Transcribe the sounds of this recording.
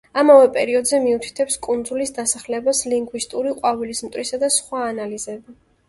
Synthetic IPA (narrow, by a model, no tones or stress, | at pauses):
amavɛpʼɛ̰ɾiɔd̪zɛmiut̪ʰi̥t̪ʰɛpskʼund̪zulisd̪asaχlɛbasliŋɡwist̪ʼuɾiqʼwavilismt̪ʼɾisad̪asχwaːnalizɛbi